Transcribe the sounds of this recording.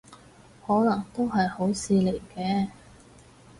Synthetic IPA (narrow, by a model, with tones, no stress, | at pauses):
hɔː˨˥lɐ˨˩ŋt̪o˥wɦɐ˨jho˨˥wsiː˧le˨˩jkɛː˧